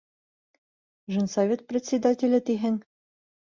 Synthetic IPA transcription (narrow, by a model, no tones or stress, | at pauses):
ʒɤ̆nsɐvʲet̪̚prʲɪt̪ʲsʲɪd̪atʲɪlʲɘt̪iɦɘŋ